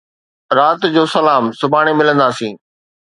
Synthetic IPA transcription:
ɾaːt̪d͡ʑoːsɐlaːmsʊbʱaːɽ̃emɪlə̃nd̪aːsĩː

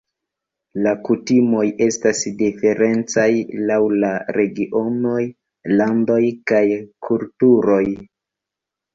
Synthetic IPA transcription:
lakutimo̞je̞stasdife̞ɾe̞nt͡sajlawlaɾe̞ɡiʔo̞no̞j | lando̞jkajkʰultuɾo̞j

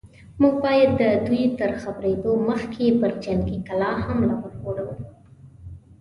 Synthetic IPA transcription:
muɡ̚bɑjad̪ːəd̪ujt̪əɾxabɾed̪oməxkʰepəɾd͡ʒaŋɡikalɑhamlawəɾxoɽawu

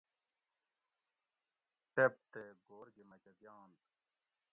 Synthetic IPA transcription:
ʈep̚t̪eɡoːɾɡemɐt͡ɕɐɡjaːnt̪

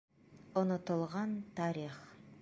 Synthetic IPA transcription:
onot̪ə̆lˠʁɑnt̪ʰɑɾiχ

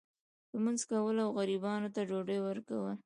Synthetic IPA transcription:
ləmanzkawəlawɣaɾibɑnot̪ad͡ʒoɖəjwəɾkawəl

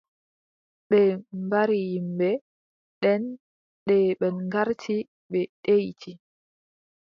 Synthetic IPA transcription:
ɓɛmbaɾijimbɛ | ɗɛn | ɗɛɓɛnŋɡaɾtʰi | ɓɛɗejtʰi

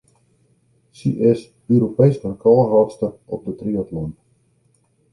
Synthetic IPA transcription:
siʔɪs | øɾopejskərkʰɔlˠɦɔtstəɔp̚dətriɔtlɔnt

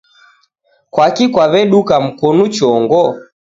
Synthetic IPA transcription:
kwakikwaβɛɗukam̩kɔnut͡ʃɔŋɡɔ

